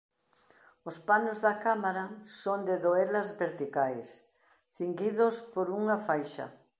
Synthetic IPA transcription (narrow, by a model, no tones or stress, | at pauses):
ospanozðɐkamaɾasond̪ɪðoɛlɐzβeɾt̪ikajs | θiŋɡiðospoɾuŋafajʃɐ̰